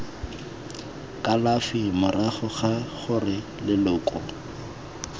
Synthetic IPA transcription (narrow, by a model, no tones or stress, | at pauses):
kʼalafimʊraχʊχaχʊrɪ | lɪlʊːkʼɔ